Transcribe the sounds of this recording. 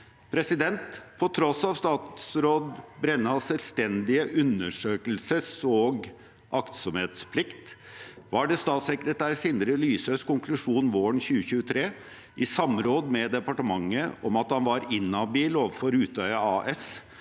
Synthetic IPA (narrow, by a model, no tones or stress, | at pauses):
pʰɾɛsɪd̪ɛnt̪pʰɔt̪ʰɾɔsɑʋst̪ɑːt̪sɾoːd̪bɾɛnːəɑsɛlst̪ɛnd̪ɪəʔʉnəʂøːkəlsəsɔɡ | ʔɑkt̪sɔmheːt̪spʰlɪkt̪ | ʋɑɖɛst̪ɑːt̪sɛkɾət̪ʰæːɾsiːnəɾəlyːsøskʊŋklʉʂuːnʋoːɳçʉːəçʉːət̪ʰɾeː | ʔɪsɑmɾoːd̪mɛd̪ɛpɑʈəmɑŋːəʔɔmɑt̪hɑnʋɑɾɪnːɑbiːloːʋəfɔɾʉːt̪ʰœʏɑɑːʔɛs